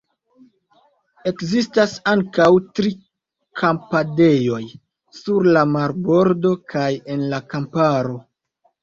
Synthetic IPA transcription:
e̞kzistasaŋkawtɾi | kʰampade̞jo̞j | suɾlamaɾbo̞ɾdo̞kaje̞nlakampaɾo̞

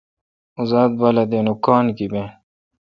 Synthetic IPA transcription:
uzaːd̪̚balɐd̪enukaːnkibẽ

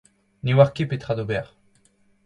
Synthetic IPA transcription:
newaʁkepet̪χad̪obɛʁ

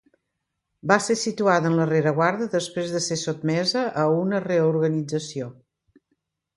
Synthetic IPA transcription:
basesit̪uaðənləreɾəɣwaɾðəðəspɾezðəsesod̪mɛzəʔəunəreuɾɣənid͡zəsio

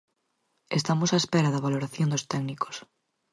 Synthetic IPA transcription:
est̪amosaespeɾaðɐβaloɾaθjond̪ost̪ɛɡniko̥s

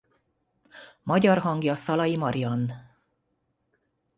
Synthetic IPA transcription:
mɒɟɒrɦɒŋɡjɒsɒlɒjimɒɾijɒnː

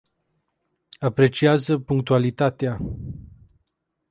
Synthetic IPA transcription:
apɾe̞t͡ʃiazəpuŋk̚t̪ualit̪at̪ea

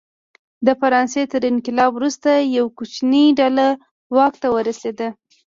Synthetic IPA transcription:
d̪əfaɾɑnset̪əɾɪnkɪlɑbwɾust̪ajawkut͡ʃniɖala | wɑk̚t̪awəɾased̪ə

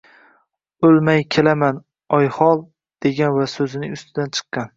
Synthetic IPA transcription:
ɵlmajkʲʰe̞laman | ɒjhɒlˠ | d̪̥e̞ɡʲanvasɵzɪnɪʊst̪ʰɪd̪ant͡ʃʰɨ̥qːɑn

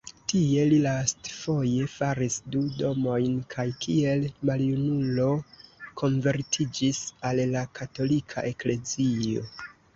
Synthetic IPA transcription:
tie̞lilastfo̞je̞faɾisdudo̞mo̞jnkʰajkie̞lmaljunulo̞kʰo̞nve̞ɾtʰid͡ʒisalːakʰato̞likʰa̰ʔe̞kle̞zio̞̰

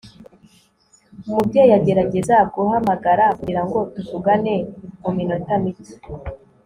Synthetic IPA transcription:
umub̚ɟojaɟe̞ɾaɟe̞zakoɦamaɡaɾakuiɾaŋɡo̞tuvuɡaneominotamiti̥

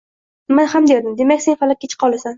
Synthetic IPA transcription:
manhamd̪e̞ɾd̪ɪmd̪emakʲsenfalak̚ʲet͡ʃʰɪ̥qʰɒlˠasan

